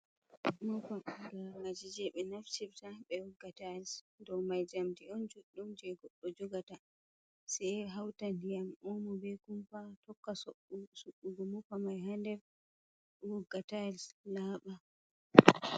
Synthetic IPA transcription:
mɔpaɡaɾnad͡ʒid͡ʒɛɓɛnaft͡ʃiftaɓɛwɔɡːataɛls | dɔwmajd͡ʒamtiɔnd͡ʒuɗːumd͡ʒɛɡɔɗːɔd͡ʒuɡata | sɛjɦawtandijamʔɔmɔbɛkumpatɔkːassuɓːuɡɔmɔpamajɦandɛv | wɔɡːatalslaːɓa

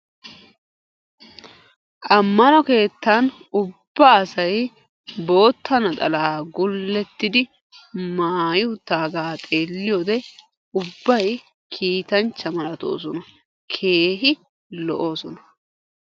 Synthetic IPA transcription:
ʔɐmːɐnɔke̞ːt̪ːanʊb̥ːaːsɐj | bo̞ːt̪ʰːɐnɐt̪ʼɐ̰laːɡʊlːɛt̪ːɪd̪ɪ | maːjɪʊt̪ːaːɡaːt̪ʼeːlːɪjod̪ɛ | ʊbːɐj | kʰiːt̪ɐnt͡ʃːɐmɐɾɐt̪o̰ːs̬ɔnɐ | kʰe̞ːɦɪ | lɔʔo̞ːsɔnɐ

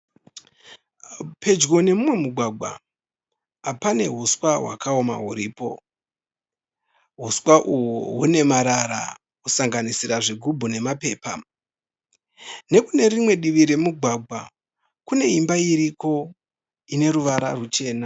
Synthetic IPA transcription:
pe̞d͡ʒɡo̞ne̞mumwe̞muɡʱwaɡʱwa̰ | apane̞ɦuswaɦwa̰kao̞ma̰ɦuɾiːpo̞̰ | ɦuswaʔuwuɦune̞maɾaɾa̰ | kusaŋɡanisiɾaʐiɡʱubʱune̞mape̞ːpa | ne̞kune̞ɾimwe̞ɗiʋiɾe̞muɡʱwaɡʱwa | kune̞imbaiɾiko̞ | ine̞ɾuʋaɾa̰rut͡ʃe̞ːna

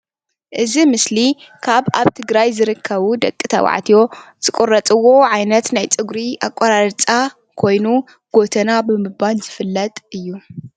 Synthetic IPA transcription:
ʔɨzimɨslikʰaβa̰βt̪ʰɨɡɾajzɨɾɨkʰːɐβud̪ɐkʼːɨt̪ʰɐ̰wa̰ʕt̪ʰijo̞z̥ɨkʼurɐt͡sʼɨwo̞ʕajnɐt̪najt͡sʼɨɡɾiʔa̰kʷʼːoɾaɾt͡sʼa | kʰo̞jnu | ɡ̥o̞t̪ʰɐnabɨmɨbalzɨfɨlːɐt̪ʼʔɨjːu

